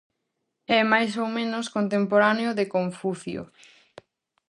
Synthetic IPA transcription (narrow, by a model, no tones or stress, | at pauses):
ɛmajsowmẽnoskont̪empoɾaneoðekoɱfuθjo̰